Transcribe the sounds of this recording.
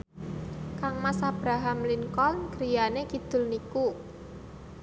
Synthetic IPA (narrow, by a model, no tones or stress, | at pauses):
kaŋmasab̥ɾaɦamliŋkɔlnkɾijanekid̪̥ʊ̤lniku